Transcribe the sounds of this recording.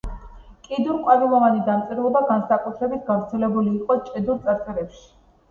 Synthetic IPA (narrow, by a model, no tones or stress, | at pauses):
kʼid̪uɾqʼwaɾimɔvanid̪amt̪sʼɛɾɔbaɡansakʼut̪ʰɾɛbit̪ʰɡavɾt̪sʰɛlɛbuliːqʼɔt͡ʃʼɛd̪uɾt̪sʼaɾsʼɛɾɛpʃi̥